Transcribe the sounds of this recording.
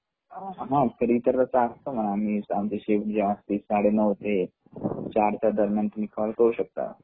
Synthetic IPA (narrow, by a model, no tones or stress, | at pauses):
ɦãkʰəɾit̪əɾt̪əsaast̪oməɳamiamt͡ɕeɕefʈd͡ʑeʋãst̪isaɽenəʋt̪e | t͡ɕaɾsad̪əɾmjant̪unikʰalkəuɕək̚t̪a̰